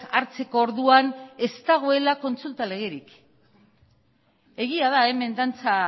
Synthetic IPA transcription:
aɾt͡se̞ko̞ːɾðuane̞st̪aɣ̞oe̞lako̞nt͡sult̪ale̞ɣ̞eɾik | e̞ɣiað̞ae̞me̞nd̪ant͡sa

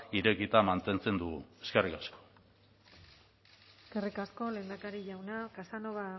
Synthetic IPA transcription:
iɾe̞kit̪amant̪e̞nt͡se̞nd̪uɣṵe̞ske̞rikasko̞̥ | eskerikasko̞le̞ːnd̪akaɾiʝawnakasanoβa

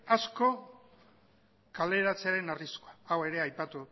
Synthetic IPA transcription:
asko̞ | kale̞ɾat͡se̞aɾe̞nariskoaawe̞ɾe̞ajpat̪u

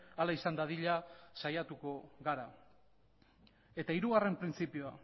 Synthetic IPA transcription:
alaisand̪aðiʎasajat̪uko̞ɣaɾa | e̞t̪aiɾuɣ̞are̞mpɾint͡sipioa

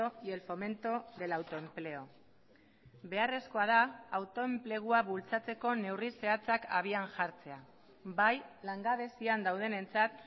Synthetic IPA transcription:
oie̞lfo̞me̞nt̪oðe̞lawt̪o̞e̞mple̞o̞ | βe̞are̞sko̞að̞aːwt̪o̞e̞mple̞ɣ̞uaβult͡sat͡se̞ko̞ne̞wrise̞at͡saka̰β̞ianʝaɾt͡se̞a | bajlaŋɡaβe̞siand̪awð̞e̞ne̞nt͡sat̪̚

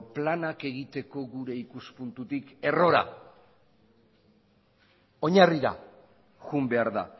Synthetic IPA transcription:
planake̞ɣit̪e̞ko̞ɣuɾe̞ikuspunt̪ut̪ike̞ro̞ɾa̰ | o̞ɲariɾa̰ | ɣumbe̞aɾða̰

